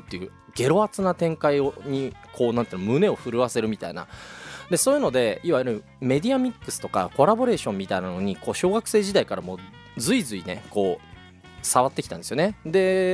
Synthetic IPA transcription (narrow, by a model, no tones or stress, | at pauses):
t̪ːe̞jɯ̟ː | ɡ̥e̞ɾo̞at͡sɨnat̪ẽ̞ŋkaioɲ̟ikʰo̞ːnãnt̪einomɯ̟ne̞o̞ɸɯ̟ɾɯ̟βase̞ɾɯ̟mʲit̪a̰ina̰d̪e̞so̞ːjɯ̟no̞d̪e̞iβajɯɾɯ̟ | me̞d̪ʲiamʲikːɯ̥sɨ̥t̪o̞ka̰ko̞ɾabo̞ɾe̞ːɕõmːʲit̪ainano̞ɲ̟iko̞ːɕo̞ːɡakɯ̟se̞ːʑid̪aikaɾamo̞ː | d͡zɨizɨine̞̰ko̞ː | saβat̪ːe̞kʲit̪ã̰nd̪esɨjo̞ned̪e̞